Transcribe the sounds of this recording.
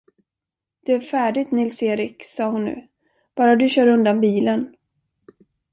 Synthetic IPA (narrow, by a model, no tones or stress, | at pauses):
d̪̥ɛæɾfæːɖɪɡt̪nɪlseːɾɪksɑːhʊnːʉ̰ː | b̥ɑːɾad̪ɵɕœːɾɵnd̪anbiːlən